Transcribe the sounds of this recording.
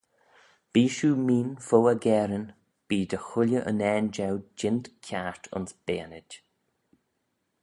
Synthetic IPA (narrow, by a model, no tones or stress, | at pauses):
b̥iːʃuːmiːnfoːəɡɛːɾən | b̥iːd̪əxʊlʲjəʔə̰nɛːnd͡ʒawd͡ʒɪnt̪kʰaɹt̪ʰʊ̰nsb̥eːnɪd